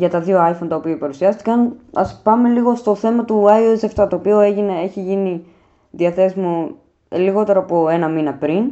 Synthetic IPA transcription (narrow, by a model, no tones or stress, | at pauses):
ʝɐt̪ɐðio̞ɐjfont̪ɐopiɐipɐɾusiɐst̪i̥kɐnɐspɐme̞liɣo̞st̪o̞θe̞mɐt̪uɐjoeseft̪ɐt̪o̞ːpio̞eʝine̞eçiʝini | ðiɐθe̞simu | liɣo̞t̪e̞ɾoɐpoe̞nɐminɐpɾin